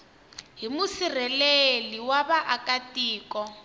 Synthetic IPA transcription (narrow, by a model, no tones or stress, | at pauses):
ɦimusir̤ɛleliwaβaʔakatiːkɔ